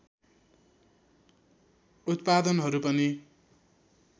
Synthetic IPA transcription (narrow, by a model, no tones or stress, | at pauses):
ut̪pad̪ʌnɦʌɾupʌni